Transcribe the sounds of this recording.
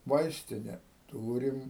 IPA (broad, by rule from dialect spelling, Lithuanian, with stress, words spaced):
ˈʋɐɪsʲtʲɪnʲɛ ˈtuːrʲɪm